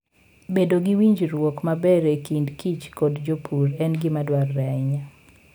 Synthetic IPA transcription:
bedoɡiwiɲd͡ʒɾwɔkmabɛɾekindkʰit͡ʃkɔdd͡ʒopʰuɾɛnɡɪmadwarːɛɲa

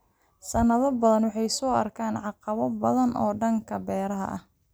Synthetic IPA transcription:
sɐnɐðɐbɐðɐnwɑħɑjsɔːɐrkʰaːnʕɑqɑβɐbɐðɐnʔɔːɖɐŋkʰɐbɛːɾɐɦɐ̰ʔɐ̰h

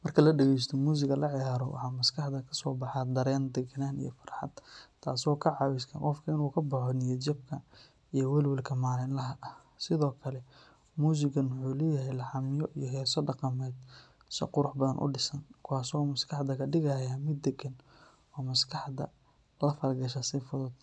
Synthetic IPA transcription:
mɐrkʰɐlɐɖɛɣɛjs̬t̪ʰɔmuːs̬ɪɡɐlɐʕɪjaːɾɔwʔɑ̰ħɑːmɐskʰɑħd̪ɐkʰɐsɔːbɑħɑd̪ɐɾɛːnd̪ɛɡɐnaːnḭjɔfɐ̥rħɑ̰d̪̥t̪ʰa̰ːsɔːkʰɐʕɑwɪskʰɐqɔfkʰɐɪnuːkʰɐbɐħɔnɪjɛt͡ʃɐb̚kʰɐ | ijɔwɛlwɛlkʰɐmaːlɪnlɐɦɐʔɐ | sɪðɔːkʰɐlɛ | muːs̬ɪɡɐnwʊħuːlɛːjɐɦɛjlɐħɑmɪjɔʔijɔɦɛːsɔɖɑqɑmɛjd̪ | sɪ̰qʊɾʊħbɐðɐnʔʊ̰ɖɪsɐnkʰʊwaːsɔːmɐskʰɑħd̪ɐkʰɐɖɪɣajɐmɪd̪ːɛɡɐn | ɔːmɐskʰɐħd̪ɐ̰ | lɐfɐɾɡɐʃɐsɪfʊðʊd̪

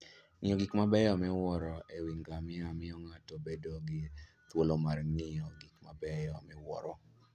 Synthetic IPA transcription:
ŋɪjɔɡikmabɛjɔmɛwɔɾɔewiŋɡamɪamɪɔŋatɔbedoɡɪ | t̪wolomarŋɪɔɡikma̰bɛjɔmɛwɔ̰ɾɔ

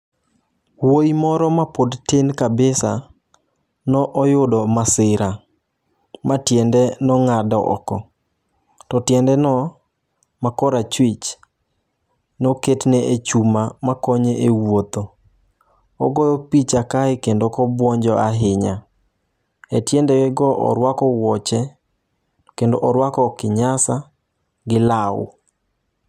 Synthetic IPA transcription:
woimɔɾɔmapodtenkabɪsa̰ | nɔʔɔjʊdɔmasɪɾa | matjɛndɛnɔŋadɔʔɔ̰kɔ | tɔtjɛndɛnɔ | makɔɾat͡ʃwɪt͡ʃ | nɔketnɛʔet͡ʃumamakɔɲeʔewot̪o | ɔ̰ɡɔjɔpit͡ʃakaekendokɔbwɔɲd͡ʒɔʔaɦɪɲa | etjɛndɛwɛɡɔʔɔ̰ɾwakɔwɔt͡ʃɛ | kendoʔɔɾwakɔkɪɲasa | ɡɪla̰

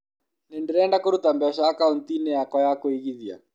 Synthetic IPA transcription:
nɪndiɾɛɛndakoɾutambɛɔʃaːkauntinɛjakɔjakoiɣiðia̰

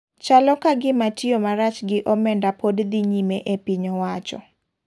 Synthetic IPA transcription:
t͡ʃalɔkaɡɪmatiomaɾat͡ʃɡɪʔɔmɛndapodd̪iɲimeʔepiɲɔwat͡ʃɔ̰

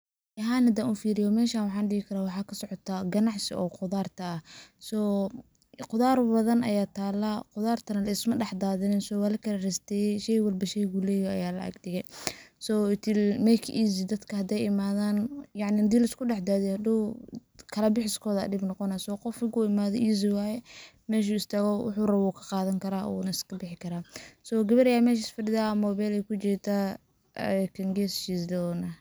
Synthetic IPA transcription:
ɐɦaːnhɐd̪aːuːnfiːɾɪjɔmɛːʃaːwɑħɑːnɖɪɣɪkʰɐɾaːwɑħɑːkʰɐsɔʕɔt̪ʰaɡɐnɑʕsɪ̰ʔɔːqʊðaːrt̪ʰɐɐsɔː | qʊðaːrbɐðɐnʔɐjaːt̪ʰaːlaqʊðaːrt̪ʰɐnɐlɐɪsmɐɖɛħd̪aːðɪnɪnsɔːwaːlɐkʰɐlɐrɪst̪ʰɛjʃɛjwɐlbɐʃɛjɣulɛːjɔɐjaːlɐ̰ʔɐ̰ɡdɪɣɛjsɔːt̪ʰɪlmɛkʰʔiːzɪd̪ɐd̪kʰɐhɐd̪ɛjɪmaːðaːnjɑʕnɪd̪iːlɐɪskʊɖɛħd̪aːðɛhɐd̪u | kʰɐlɐbɪħɪskʰɔːðɐ̰dɪbnɔqɔnasɔqɔfɪɡuɪmaːðɔʔiːz̬ɪwaːjɛ | mɛːʃ̬uːɪst̪ʰɐɣɔwʊ̰ħuːrɐwuːkʰɐ̥qɑːðɐŋkʰɐɾaːɔ̰nɐɪskʰɐbɪħɪkʰɐɾaːsɔɡɐβɐɾɐjaːmɛːʃ̬ɪsfɐɖɪðaːmɔβɛlɛjkʰʊt͡ʃɛːt̪ʰaː | kʰɐŋɡɛːst͡ʃiːsd̪ɐɔːnɐ

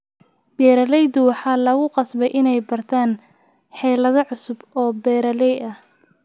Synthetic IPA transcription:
b̥ɛːɾɐlɛjd̪ʊwɑħɑːlɐɣʊqɑsbɛjʔɪnɛjbɐrt̪ʰaːn | ħɛːlɐðɐʕʊsʊbɔːbɛːɾɐlɛjɐh

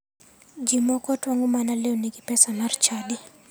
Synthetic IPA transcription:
d͡ʒimɔkɔtwaŋɡumanalɛɔniɡipɛsanart͡ʃadi

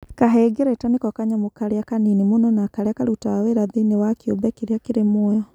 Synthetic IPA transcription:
kaɦɛɡeɾɛtanekɔkaɲamokaɾeakaninimonɔnakaɾeakaɾutaweɾaðenewakjo̰bɛkeɾeakeɾemwɔjɔ

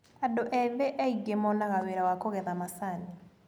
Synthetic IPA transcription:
adoʔɛβeʔaiɣemɔnaɣaweɾawakoɣɛðamasani

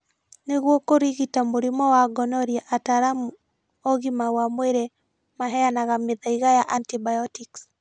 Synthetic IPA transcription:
neɣwɔkoɾiɣitamoɾimɔwaɡɔnɔɾiaʔataɾamu | ɔɣimawamweɾe | maɦɛanaɣameðaiɣajaʔantibajɔtiks

